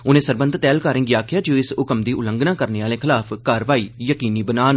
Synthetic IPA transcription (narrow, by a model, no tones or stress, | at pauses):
ʊnẽːsəɾbə̃nd̪t̪ɛːlkaːɾɪ̃ŋɡiaːkʰɪjaːd͡ʒoːɪsʊkəmd̪iːʔʊlə̃ŋɡnaːkəɾneːaːlẽːkʰɪlaːfpʰkaːɾʋaːiːjəkiːniːbənaːn